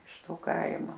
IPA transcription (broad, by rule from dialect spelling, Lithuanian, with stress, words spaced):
ɪʃ ˈtoː ˈkɐɪmoː